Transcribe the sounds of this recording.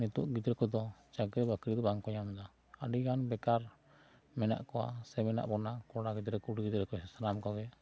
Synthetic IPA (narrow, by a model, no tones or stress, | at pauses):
nit̪uʔɡid̪ɾɛkɔd̪ɔt͡ʃaɡɾɛbakɾid̪ɔbaŋkɔɲamd̪a | aɖiɡanbɛkaɾ | mɛna̰ʔkɔwa̰sɛmɛna̰ʔbɔnakɔɽaɡid̪ɾɛkuɽɡid̪ɾɛkɔɛsanamkɔɡɛ